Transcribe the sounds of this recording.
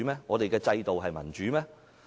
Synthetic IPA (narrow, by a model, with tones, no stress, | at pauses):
mɛː˥ŋɔː˨˧t̪e˨jkɛː˧t͡sɐ˧jt̪o˨wɦɐ˨jmɐ̰˨˩nt͡ʃyː˨˦mɛː˥